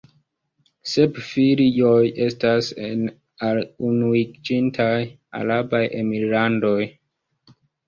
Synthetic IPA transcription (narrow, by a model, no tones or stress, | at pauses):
se̞pfiɾio̞jʔe̞stasen | alunuid͡ʒintʰaj | a̰ɾabajʔe̞milando̞j